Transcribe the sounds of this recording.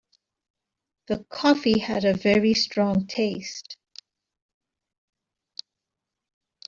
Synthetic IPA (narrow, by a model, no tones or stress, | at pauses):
ðəkʰɔfiəɾəvɛɹistɹ̥ɔ̃ŋtʰeɪst